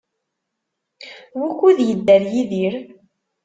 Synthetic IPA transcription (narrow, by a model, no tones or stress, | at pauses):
wukːuðjəd̪ːæɾjiðiɾ